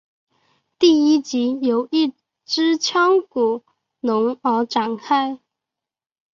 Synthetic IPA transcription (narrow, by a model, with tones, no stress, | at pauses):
t̪i˥˩i˥t͡ɕi˧˥jo˨˩ʊi˥˩ | ʈ͡ʂɻ̩˥t͡ɕʰjɑ˥ŋku˨˩ | nʊ˧˥ŋə˧˥ʈ͡ʂa˨˩ŋkʰa˥ɪ